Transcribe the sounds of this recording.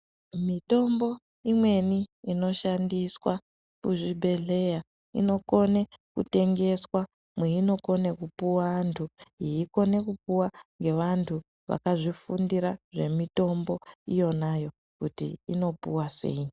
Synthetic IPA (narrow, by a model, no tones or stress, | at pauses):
mito̞mbo̞ | imwe̞niino̞ʃandiswa | kuʐibʱe̞ɮe̞ja | ḭno̞ko̞ne̞kṵte̞ŋɡe̞swa | mweino̞ko̞nekupuwaantʰuiiko̞ne̞kup̚uwaŋɡe̞ʋantʰu | ʋa̰kaʐifundiɾaʐe̞mito̞mbo̞ijo̞najo̞ | kutḭːno̞puwase̞̰i